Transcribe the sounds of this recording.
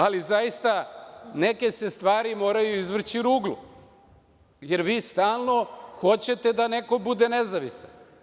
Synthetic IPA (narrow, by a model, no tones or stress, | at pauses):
alizajist̪ane̞ke̞se̞st̪ʋaːɾimo̞ːɾajuizʋr̩t͡ɕiɾuːɡlṵ | je̞ɾʋiːst̪aːlˠno̞xo̞t͡ɕe̞t̪e̞d̪ane̞ko̞bud̪e̞ne̞zaʋisan